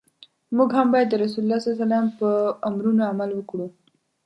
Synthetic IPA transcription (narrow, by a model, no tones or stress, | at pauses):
muɡɦambajad̪ːəɾas̬ululːasasalampəamɾunoamalwəkɽu